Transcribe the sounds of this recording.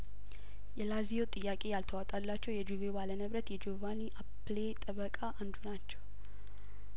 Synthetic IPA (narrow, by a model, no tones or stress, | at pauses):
jɛlazijot̪ʼɨjːakʼe̞jalt̪ʰəwat̪ʼalːat͡ʃːɛwjɛd͡ʒuvebalənəβɾət̪jɛd͡ʒovaniʔaplet̪ʼəβəkʼaʔand̪unat͡ʃːɛw